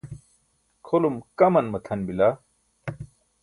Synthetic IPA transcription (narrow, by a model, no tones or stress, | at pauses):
kʰolumkɐmɐnmɐt̪ʰɐnbila